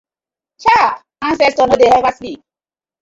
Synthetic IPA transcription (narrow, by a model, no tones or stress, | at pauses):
t͡ʃa | ãnsɛstɔnodehɛvaslik